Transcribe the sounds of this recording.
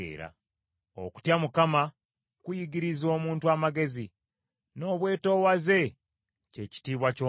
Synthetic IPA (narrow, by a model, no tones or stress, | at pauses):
ḛːɾa̰ | o̰ku̥tjamukama | kujiɡiɾizo̞ːmuːntuwamaɡe̞zi | no̞ːβwe̞ːto̞ːwaze̞ | ce̞ci̥tiːβwaco